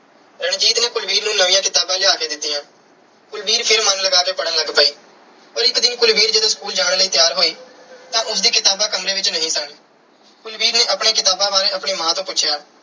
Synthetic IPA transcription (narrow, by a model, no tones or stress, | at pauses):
ɾəɳd͡ʒiːt̪neːkʊlʋiːɾnũːnəʋĩːãːkɪt̪aːbãːlɪaːkeːd̪ɪt̪ːiːãː | kʊlʋiːɾpʰɪɾmənləɡaːkeːpəɽə̃nləɡpəiː | pəɾɪkd̪ɪnkʊlbiːɾd͡ʒəd̪õːskuːld͡ʒaːɽ̃ːləiːt̪jaːɾɦoːiː | t̪ãːʔʊsd̪iːkɪt̪aːbãːkəmɾeːʋɪt͡ʃnəɦĩːsəkɽeː | kʊlʋiːɾneːʔəpɳeːkɪt̪aːbãːʋaːɾeːəpɳeːmãːt̪õːpʊt͡ʃːʃʰjaː